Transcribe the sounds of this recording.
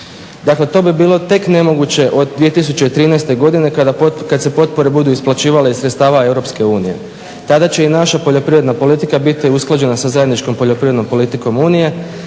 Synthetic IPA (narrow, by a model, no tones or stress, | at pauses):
d̪akle̞t̪o̞ːbibiːlˠo̞t̪e̞kne̞mo̞ɡut͡ɕe̞ʔo̞d̪d̪ʋije̞t̪is̬ut͡ɕe̞it̪ɾiːnajst̪eɡo̞d̪ine̞k̪kad̪se̞po̞t̪̚po̞ɾe̞bud̪uisplˠat͡ɕiːʋaleizɾet̪st̪aːʋae̞wɾo̞pske̞uːnije̞̰ | t̪ad̪at͡ɕe̞inaʃapo̞ʎo̞pɾiʋɾe̞d̪napo̞lit̪ikabit̪iusklˠad͡ʑe̞nasazaje̞d̪nit͡ʃko̞mpo̞ʎo̞pɾiʋɾed̪no̞mpo̞lit̪iko̞muːnije̞